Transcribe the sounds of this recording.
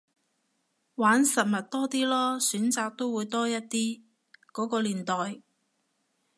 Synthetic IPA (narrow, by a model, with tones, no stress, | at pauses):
waː˨˥nsɐ˨t̚mɐ˨t̚t̪ɔː˥t̪iː˥lɔː˥syː˨˥nt͡saː˨˧k̚t̪o˥wuː˨˧jt̪ɔː˥jɐ˥t̚t̪iː˥ | kɔː˨˥kɔː˧liː˨˩nt̪ɔː˨˩j